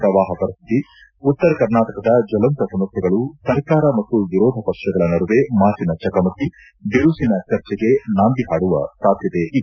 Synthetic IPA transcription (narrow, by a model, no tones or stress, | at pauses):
pɾɐʋaːɦɐpɐɾist̪it̪i | ut̪ːɐɾɐkɐɾnaːʈɐkɐd̪ɐd͡ʒɐlɐnt̪ɐsunɐt̪ːɛɡɐɭusɐɾkaːɾɐmɐt̪ːuʋiɾɔːd̪ʱɐpɐkʂɐɡɐɭɐnɐɾuʋemaːt͡ʃinɐt͡ʃɐkɐmɐt̪ːi | d̪iɾuːsinɐt͡ʃɐɾt͡ʃɛɡe̞naːnd̪iɦaːɽuʋɐ̰saːd̪ʱjɐt̪eʔi